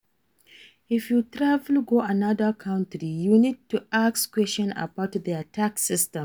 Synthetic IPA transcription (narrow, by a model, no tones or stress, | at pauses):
ɪfjutɾavlɡoanadəkʰãʊ̃ntɹijunid̚tuʔakskwɛst͡ʃɔ̃na̰baʊtðiatʰaksɪstɛ̃m